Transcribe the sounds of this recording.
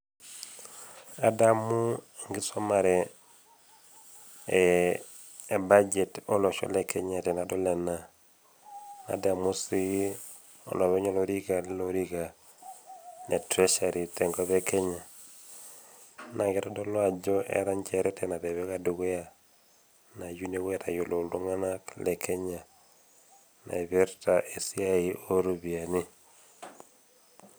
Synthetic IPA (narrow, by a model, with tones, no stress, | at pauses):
a˨da˦mu˦ŋɡi˦so˦ma˨ɾɛ˨ | ba˦d͡ʒe˨tɔ˦lɔ˨ʃɔ̰˦lekʰe˦ɲa˨tɛ˨na˨dɔ˦lɛ˨na˨ | na̰˨da˨mu˦si˦ | o̰˨lɔ˨βɛ˦ɲɔ˦lo˦ɾi˦ɡa˨li˦lo˦ɾi˦ɡa˨ | ne˨tɾe˦ʃaɾi˨tɛ˨ŋɡɔ˦bɛ˦kɛ˦ɲa˨ | na˨ɡɛ˨tɔ˦dɔ˦lwa˨d͡ʒɔ˦ʔɛ̰˦ɾa˦ɲt͡ʃɛ˨ɾɛ˦tʰɛna˨dɛ˨βɛ˦ka˦du˨ɡɛ˦ja˨ | na˨ju˦ne˦wɛ˦ta˨jo˨lo˨lo˦ŋa˦na˦klɛ˨kʰɛ˦ɲa˨ | na̰˨i˨bɛ˦ɾta˨ʔe˨si˦a˦i˨o˦ɾo˦bi˨a˨nɪ˦